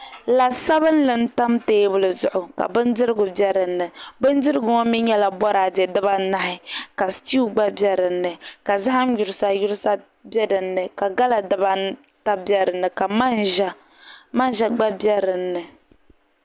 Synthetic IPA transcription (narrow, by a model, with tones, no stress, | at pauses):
la˨sa˦bɨ˦n˦lɨ˨n̩˦ta˦mteː˦bʊ˨lɨ˨zʊ˨ʔʊ˨ka̰˨bɨ˦ndɨ˦ɾɨ˦ɡʊ˨bɛ˦ɾɨ˨nːɨ˨bɨ˦ndɨ˦ɾɨ˦ɡʊ˨ŋɔ˦mi˦ɲɛ˦la˨bɔ˦ɾa˨bɛ˨dɨ˦ba˦na˦hɪ˦ka˨sti˦u˦ɡ͡ba˦bjɛ˦ɾɨ˨nːɨ˨ka˨za˦ɦa˦mju˨ɾɨ˨˦sa˦ju˦ɾsa˦ | bɛ˦dɨ˨nːɨ˨ka˨ɡa˦la˨dɨ˦ba˦ | ta˦bjɛ˦ɾɨ˨nːɨ˨ka˨ma˦nʒa˦ | ma˦nʒɛ˦ɡ͡ba˦bɛ˦ɾɨ˨nːɨ˨